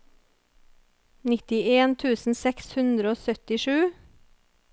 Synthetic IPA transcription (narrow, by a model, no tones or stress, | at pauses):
nɪt̪ɪeːnt̪ʰʉːsn̩sɛkshʉnd̪ɾəoːsœt̪ɪʃʉː